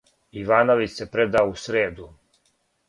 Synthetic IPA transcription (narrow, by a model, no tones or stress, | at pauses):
iʋaːnoʋit͡ʃsepɾed̪aousɾeːd̪u